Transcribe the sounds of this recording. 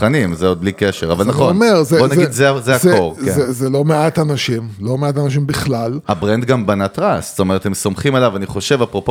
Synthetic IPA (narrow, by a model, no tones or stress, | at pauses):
animzeod̪̚blikeʃeʁavalnaχonmeʁzebonaɡid̪zeazeakoʁkeezelomeat̪anaʃimlo̞meat̪anaʃ̬imbiχlalabʁend̪ɡambanat̪ʁast̪ome̞ʁet̪hemso̞mχimalavaniχo̞ʃe̞vapʁo̞po